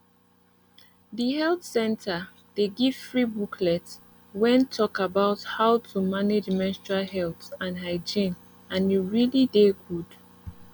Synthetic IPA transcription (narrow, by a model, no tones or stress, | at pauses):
ðihɛlθsɛ̃ntʰə | d̥eɡiv̥fɹibukʰlɛt | wɛ̃ntʰɔkabaʊthaʊtʰumaned͡ʒmɛstɹaɦɛlθãnɦaɪd͡ʒĩn | ãniɹilideɡud̥